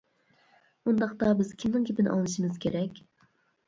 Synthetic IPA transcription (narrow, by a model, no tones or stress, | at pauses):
und̪ɑqt̪ɑbɪz̥kʲʰimnɪŋkʲʰepɪnʔɑ̰lˠɨʃimɨz̥kʲʰeɾɛkʲ